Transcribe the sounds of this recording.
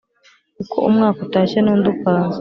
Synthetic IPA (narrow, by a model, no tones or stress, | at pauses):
kukʰo̰ʔumŋaːkotaːʃenuːnd̪upanz